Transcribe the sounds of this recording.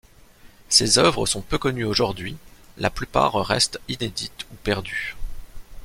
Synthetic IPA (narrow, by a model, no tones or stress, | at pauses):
sezœvʁəsɔ̃pøkɔnyoʒuʁd̪ɥilʔaplypa̰ʁʁɛ̰st̪ined̪it̪upɛʁd̪y